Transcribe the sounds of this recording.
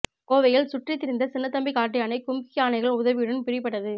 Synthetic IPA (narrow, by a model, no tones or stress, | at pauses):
koːʋɐjɪlsʊʈrit̪ːɪɾɪnd̪ɐsɪnːɐt̪ːɐmbɪkaːʈːɪjaːnɐɪkʊmkɪjaːnɐɪɣɐɭʊðɐʋɪɽɐnpɪɾɪpːɐʈːɐðɯ